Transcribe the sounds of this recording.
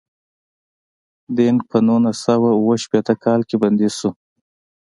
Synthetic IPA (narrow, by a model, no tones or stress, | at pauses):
d̪en̚pʰənunasawawoʃpet̪əkʰɑlkeband̪isu